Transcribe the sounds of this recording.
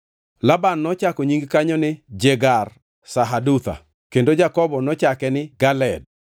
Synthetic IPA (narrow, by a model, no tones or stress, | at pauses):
labanːɔt͡ʃakɔɲiŋɡkaɲɔnɪd͡ʒeɡar | saɦadut̪a̰ | kendod͡ʒakɔbɔnɔt͡ʃakɛnɪɡalɛd̚